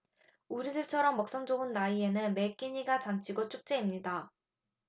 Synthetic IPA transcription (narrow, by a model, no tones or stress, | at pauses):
uɾidɯɭt͡ɕʰʌɾʌmːʌk̚s͈ʌnd͡ʑoɡɯnːaie̞nɯnme̞k͈iɲiɡat͡ɕant͡ɕʰiɡot͡ɕ͈ʰuk̚t͡ɕ͈eimɲida